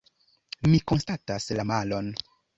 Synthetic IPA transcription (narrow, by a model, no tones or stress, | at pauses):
miko̞nstataslamalo̞n